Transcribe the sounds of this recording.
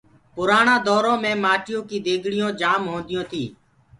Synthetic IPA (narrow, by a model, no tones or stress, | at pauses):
pʊɾaːɳãːd̪ɔːɾõːmẽːmaːʈɪjõːkiːd̪eːɡʱɽɪjõːd͡ʒaːmɦõːnd̪ɪjõːt̪ʰiː